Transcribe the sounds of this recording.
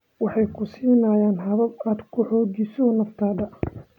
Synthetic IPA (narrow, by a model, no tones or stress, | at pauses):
wɑħɑjkʰʊsiːnɐjaːnɦɐβɐbaːd̪kʰʊħɔːɡisɔnɐft̪ʰaːdɐ